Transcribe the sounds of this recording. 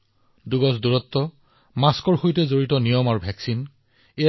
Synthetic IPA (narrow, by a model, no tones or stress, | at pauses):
duɡɔsduɹɔtːɔ | maskɔɹxojtɛzoɹitɔnijɔmaɹubʱɛksin | e